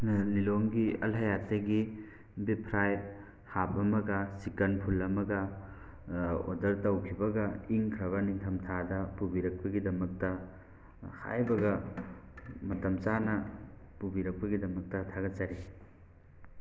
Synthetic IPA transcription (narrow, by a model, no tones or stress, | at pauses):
nliloŋɡiɐ̰lɦɐjatːeɡi | bipʰɾaj | hap̚ɐmɐɡɐsikɐnpʰulɐmɐɡɐ | o̰dɐɾtɐwkʰibɐɡɐiŋkʰɾɐβɐniŋtʰɐmtʰadɐpubiɾɐk̚pɐɡidɐmɐk̚tɐ | ha̰jbɐɡɐ | mɐtɐmt͡ʃanɐpubiɾɐk̚pɐɡidɐmɐk̚tɐtʰaɡɐt͡ʃaɾi